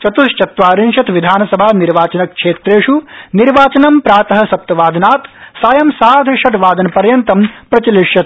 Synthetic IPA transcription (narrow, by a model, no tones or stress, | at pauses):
t͡ʃɐt̪ust͡ʃɐt̪ʋaːɾinʃɐt̪ʋid̪ʱaːnɐsɐbʱaːniɾʋaːt͡ʃɐnɐk̚kʂʰeːt̪ɾeːʂuniɾʋaːt͡ʃɐnɐmpɾaːt̪ɐɦɐ̆sɐp̚t̪ɐʋaːd̪ʱɐnaːt̪saːjɐmsaːd̪ʱʃɐʈʋaːd̪ɐnpɐɾjɐnt̪ɐmpɾɐt͡ʃiliʂjɐt̪